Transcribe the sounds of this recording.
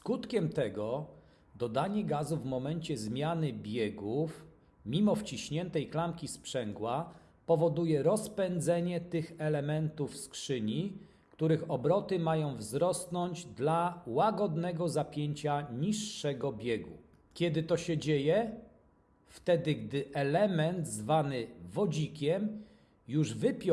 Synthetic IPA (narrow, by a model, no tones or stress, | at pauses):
skut̪kʲɛmt̪ɛɡɔ | d̪ɔd̪aɲɛɡazuvmɔmɛɲt͡ɕɛzmʲjanɘbʲjɛɡuf | mʲimɔft͡ɕiɕɲɛnt̪ɛjklamkʲispʂɛŋɡwa | pɔvɔd̪ujɛɾɔspɛnd̪zɛɲɛt̪ɘxɛlɛmɛnt̪ufskʂɘɲi | kt̪uɾɘxɔbɾɔt̪ɘmajɔ̃w̃vzɾɔst̪nɔɲd͡ʑd̪lawaɡɔd̪nɛɡɔzapʲjeɲt͡ɕaɲiʂːɛɡɔbʲjeɡṵ | kʲjɛd̪ɘt̪ɔɕɛd͡ʑejɛ | ft̪ɛd̪ɘɡd̪ɘʔɛlɛmɛnd̪zvanɘvɔd͡ʑikʲɛm | juʐvɘpʲ